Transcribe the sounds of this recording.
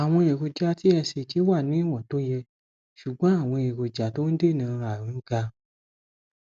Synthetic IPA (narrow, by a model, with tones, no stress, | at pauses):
a˨w̃ɔ̃˧e˨ko˨d͡ʒa˧ti˦ɛ˧se˨ti˨˦wa˦˨nĩ˦i˦˨wɔ̃˨to˦jɛ˧ | ʃu˨ɡ͡bɔ̃˨˦a˦˨w̃ɔ̃˧e˨ko˨d͡ʒa˨to˦n̩˦de˦˨nã˧˦˧a˨ɾĩ˨˦ɡa˧